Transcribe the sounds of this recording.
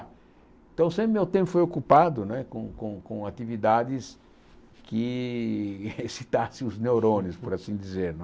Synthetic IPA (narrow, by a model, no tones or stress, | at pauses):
ẽt̪ɐ̃w̃sẽpɾɪmẽt̪ẽmpʊfojokupad̪ʊnɛkõkõkõat̪ivid̪ad̪ɪs | kɪ | sit̪asɪ̃ʊznewɾõnɪspʊɾasĩd̪izeɾnɛ